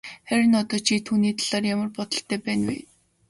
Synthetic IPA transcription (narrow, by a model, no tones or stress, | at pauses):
χæɾʲɪ̆nɔt̪ɔːt͡ɕʰiːt̪ʰuːniːt̪ʰaɮ̥aːrjamə̆rpɔt̪ɞ̆ɬt̪ʰːæːpæːnwḛː